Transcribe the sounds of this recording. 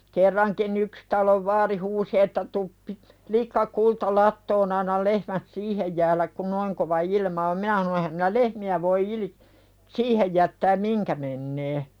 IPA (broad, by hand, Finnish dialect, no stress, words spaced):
kerːɑŋkin yks tɑloʋ ʋɑːri huːsi etːæ tup pi likːɑ kultɑ lɑtːoːn ɑnːɑl lehmæt siːhej jæːlæk kun noiŋ koʋɑ ilmɑ om minæ hɑno ehæm minæ lehmiæ ʋoi ilĭ siːhej jætːæːm miŋkæ menːeː